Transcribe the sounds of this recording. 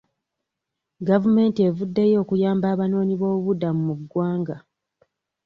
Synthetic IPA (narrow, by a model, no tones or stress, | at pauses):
ɡavume̞ːntie̞vudːe̞jo̞ːkujaːmbaːβano̞ːɲiβo̞ːβuβudamumuɡwaːŋɡa